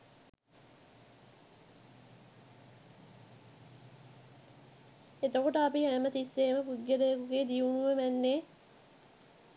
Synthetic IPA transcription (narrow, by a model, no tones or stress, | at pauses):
et̪okoʈəɐpiæmət̪isːeːməpuɟːeɾejːkuɡeːd̪iunuʋemænːeː